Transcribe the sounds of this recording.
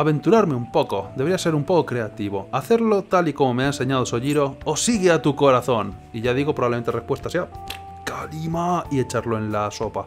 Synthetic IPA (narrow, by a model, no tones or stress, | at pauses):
aβe̞nt̪uɾaɾme̞umpo̞ko̞d̪eβɾiase̞ɾumpo̞kokɾe̞at̪iβ̞o̞aθe̞ɾlo̞t̪alikomo̞meaense̞ɲað̞oso̞ʎiɾo̞ːsiɣeat̪uko̞ɾaθo̞n | iʝað̞iɣopɾoβaβlement̪erepwe̞st̪asea | kalimaie̞t͡ʃaɾlo̞e̞nlaso̞pa